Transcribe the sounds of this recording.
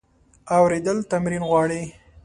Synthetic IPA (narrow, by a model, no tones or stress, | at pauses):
awɾed̪əlt̪amɾinɣwɑɽi